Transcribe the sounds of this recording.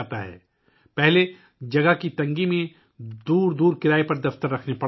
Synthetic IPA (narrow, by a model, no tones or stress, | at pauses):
t̪aɦɛ̰ː | pɛɦle | d͡ʒɐɡəɦkit̪ɐ̃ŋɡimẽ | d̪uːɾd̪uːɾkɪɾaːipɐɾd̪ɐft̪əɾːɐkʰnepɐ